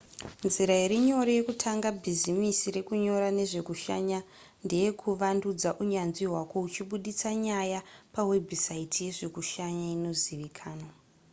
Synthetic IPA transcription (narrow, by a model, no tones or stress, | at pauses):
nziɾaiɾiɲo̞ɾejekutʰaŋɡabʱizimisiɾe̞kuɲo̞ɾane̞ʐe̞kuʃaɲa | nde̞je̞kʰuʋandud͡zaʔuɲanʐiɦwako̞ut͡ʃiɓuɗit͡saɲajapawe̞bʱisaitʰije̞ʐe̞kuʃaɲaino̞ziʋikʰaːno